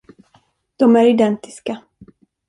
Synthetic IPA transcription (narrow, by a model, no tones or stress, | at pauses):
d̪̥ɔmæɾɪd̪ɛnt̪ɪ̥ska